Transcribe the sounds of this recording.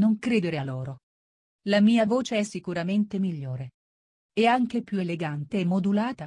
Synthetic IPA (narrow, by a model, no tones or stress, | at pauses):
noŋkɾeːd̪eɾealoːɾo | lamiːavoːt͡ʃeɛsːikuɾament̪emiʎːoːɾe | ɛaŋk̟epjueleɡant̪eːmːod̪ulaːt̪a